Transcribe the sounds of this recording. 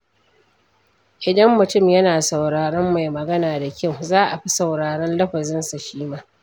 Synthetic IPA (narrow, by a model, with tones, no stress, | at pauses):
ʔɪ˨dɐ˦mːʊ˨tʊ˦˨mjɐ˦naː˨sɐ˨wɽaː˨ɽɔ˦mːa˨jmɐ˨ɡɐ˦naː˨da˨kʲɐ˦˨wzaː˦ʔa˨ɸi˦sɐ˨wɽaː˨ɽɔ˦nlɐ˦ɸɐ˨zɪ˦nsa˨ʃiː˦maː˦